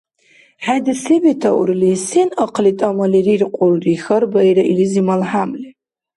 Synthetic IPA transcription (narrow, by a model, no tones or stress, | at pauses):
ħadɨsibitʰawṵrlisenaqʰlitʼamalirirqʷʼʊlrixərbaijɾailizimalħamli